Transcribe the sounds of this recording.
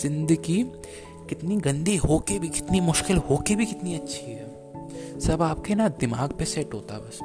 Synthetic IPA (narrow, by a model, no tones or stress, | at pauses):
zɪ̃nd̪əɡi | kɪt̪niɡɐ̃nd̪ʱiɦoːkebʱikɪ̥t̪nimʊʃkɪlɦoːkebʱikɪt̪niɐtːʃʰiɦɛ̰ː | sɐbaːp̚kenad̪ɪmaːɡpesɛʈɦoːt̪a̰ɦɛbɐs